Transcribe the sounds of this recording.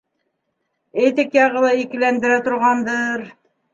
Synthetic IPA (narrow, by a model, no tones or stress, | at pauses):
et̪ɘkjɑʁɤ̆lˠɑikɘ̆lænd̪ɘ̆ɾæt̪ŏɾʁɑnd̪ɤɾ